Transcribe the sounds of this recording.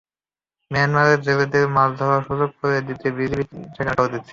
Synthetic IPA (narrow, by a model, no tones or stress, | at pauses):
meanmaɾeɾd͡ʑebed̪emasd̪ʱɔɾaʃud͡ʑok̚koɾed̪it̪ebid͡ʑibit͡ɕʰekaʈaɦot̪ee̥